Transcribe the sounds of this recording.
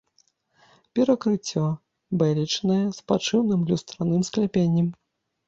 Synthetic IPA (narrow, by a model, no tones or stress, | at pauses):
pʲɛɾakɾɨt͡sʲːɔ | bɛlʲit͡ʂnɐjɛspat͡ʂɨwnɨmlʲust̪ɾanɨmsklʲɛpʲenʲːɐm